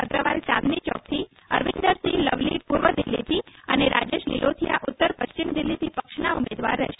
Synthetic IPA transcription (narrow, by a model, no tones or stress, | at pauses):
əɡɾəʋalt͡ʃa̰t̪nit͡ʃɔ̰k̚t̪ʰi | əɾʋind̪əɾsiləʋlḭpuɾʋəd̪ɪlːḭt̪ʰiəneɾʔad͡ʒeʃlḭlʔot̪ʰijaʔʊt̪ːəɾpəʃt͡ʃimd̪ɪlːit̪ʰipəkʃnaumed̪ʋa̰ɾːɛ̰ʃ